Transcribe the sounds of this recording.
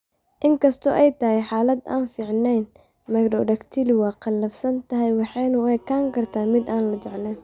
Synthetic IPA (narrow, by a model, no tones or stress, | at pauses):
ʔɪŋkʰɐst̪ʰɔʔɛjt̪ʰɐɦɛjħaːlɐd̪a̰ːnfiːʕnɛjn | mɐɡɖɔɖɐkt̪ʰilwɑːqɑlːɐfsɐnt̪ʰɐɦɛjwɑħɑjnʊɛkʰaːŋkʰɐrt̪ʰaːmɪd̪aːnlɐt͡ʃɛʕlɛn